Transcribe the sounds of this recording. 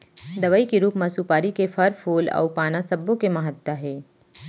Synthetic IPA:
d̪ɐʋaikiɾuːpmasuːpaːɾikefʰɐɾpʰuːlɔ̰ːpaːnasɐbːõkemɐɦət̪ːaɦɛː

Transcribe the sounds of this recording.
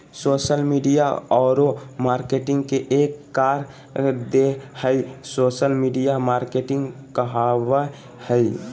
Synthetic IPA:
soːʃəlmiɖijaɔːɾomaːɾkeʈɪ̃ŋɡkeʔeːkːaːɾ | d̪ehəisoːʃəlmiɖijamaːɾkeʈɪ̃ŋɡ | kəɦawa | həi

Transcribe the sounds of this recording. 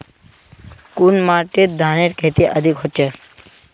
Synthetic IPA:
kunmaɾʈiɾ̚d̪ʱaneɾkʰet̪iʔəd̪ʱikɦɔtːt͡ʃʰe

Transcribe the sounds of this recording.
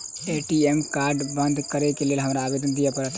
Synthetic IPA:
eʈiemkaɾɖbə̃nd̪ʱkəɾekelelɦəmɾaːbed̪ənd̪ijapəɾət̪ʰ

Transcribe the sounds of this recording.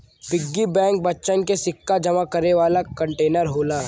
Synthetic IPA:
bɪɡːibɛ̃ːŋk̚bɐtːʃənkesɪkːad͡ʒɐmakɐɾeʋaːlakɐ̃ɳʈeːnəɾɦoːlaː

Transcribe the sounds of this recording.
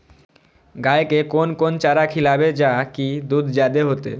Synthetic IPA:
ɡaekekonkont͡ɕaɾakʰilabed͡ʑakid̪ud̪ʱd͡ʑad̪eɦot̪ḛ

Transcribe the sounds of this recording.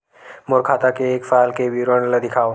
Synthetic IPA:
mʊɾkʰaːt̪akeːkfaːlkeʋiɾənlad̪ɪkʰaːo

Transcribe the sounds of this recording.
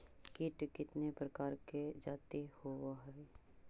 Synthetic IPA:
kɪʈkɪt̪nepɾəkaːɾked͡ʒaːt̪ihowaɦɛː

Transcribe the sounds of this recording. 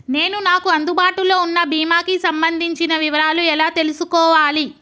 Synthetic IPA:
ne̞ːnunaːkuɐnd̪ubaːʈulo̞ːunːɐbiːmaːkisɐmbɐnd̪ʱiɲt͡ʃinɐʋiʋɐɾaːluɛlaːt̪e̞lusukɔːʋaːli

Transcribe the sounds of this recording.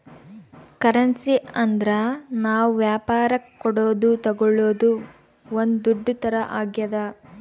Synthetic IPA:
kɐɾɐnsiɐnd̪ɾɐnaːʋuʋjaːpaːɾɐkːɔɽoːd̪ut̪ɐɡɔɭːoːd̪u | ond̪ud̪uɖːut̪ɐɾɐʔaːɡjɐd̪ɐ

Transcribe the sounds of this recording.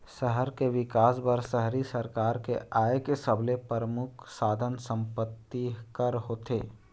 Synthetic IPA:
səɦəɾkeʋɪkaːsbəɾsəɦɾisəɾkaːɾkeaːjəkesəblepəɾəmʊkʰsaːd̪ʱənsə̃mpət̪ːikəɾɦoːt̪eː

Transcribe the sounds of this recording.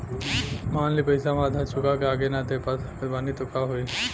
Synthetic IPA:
maːnlipəjsamãd̪ʱat͡ʃʰukakeaɡenat̪epatkəbanit̪okaɦoi

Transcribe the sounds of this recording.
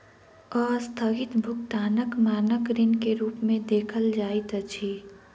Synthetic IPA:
ɔːɾst̪ʰəɡɪt̪bʱʊk̚t̪aːnəkmaːnəkɾɪnkeɾuːpmẽd̪eːkʰəld͡ʒaːit̪ət͡ʃʰi

